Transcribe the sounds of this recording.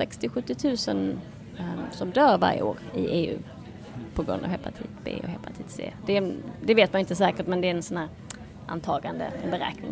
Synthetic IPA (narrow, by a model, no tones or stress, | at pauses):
sɛkst̪ɪɧɵt̪ːɪt̪ʰʉ̟ːsən | sɔmd̪œːɾva̰ɾjə̰oːɾɪʔeːʉ̟̰ː | pʰɔɡɾɵ̰nd̪a̰vhɛpːat̪ʰḭːt̪bḛːɔ̰hɛpat̪ʰiːt̪sḛːd̪ɛd̪ɛveːt̪manɪnt̪əsɛːkəʈmɛnd̪ɛæɾɛnsɔnhæːɾ | ʔa̰nt̪ʰɑːɡand̪ə̰ɛbɛɾɛ̰ːknɪŋ